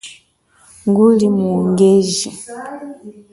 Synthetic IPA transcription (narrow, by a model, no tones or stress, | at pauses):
ŋɡulimuŋɡɛʒi